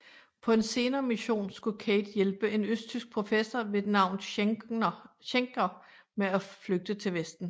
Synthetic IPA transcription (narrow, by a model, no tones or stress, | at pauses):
pʰɒ̽e̝nse̝ːnɐːmiɕo̝̰ːnsɡ̥ukʰeɪd̥jelb̥əʔe̝nøsd̥̚t͡sʰysɡ̥̚pʰʁo̝fesɒʋe̝d̥nɑ̈ʊ̰nð̩ˠ | ɕeŋɡ̥ɐ | meæfløɡ̥̚d̥ət͡sʰe̝lʋesd̥n̩